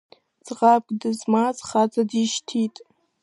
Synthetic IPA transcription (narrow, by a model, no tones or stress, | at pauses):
t͡sʼʁapkʼdɨzmazχat͡sʼadiʃtʰitʼ